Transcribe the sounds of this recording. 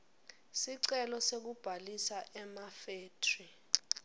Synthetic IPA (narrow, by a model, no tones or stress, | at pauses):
siǀɛlɔsek̬ub̥ʱalisaʔɛmafeːtʰri